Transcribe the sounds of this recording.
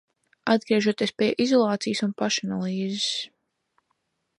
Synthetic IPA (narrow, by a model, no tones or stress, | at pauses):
ad̪̚ɡɾiɛʒuɔt̪iɛspʲiɛʔizɔlˠɑːt̪sijsunpaʃanalˠiːzɪs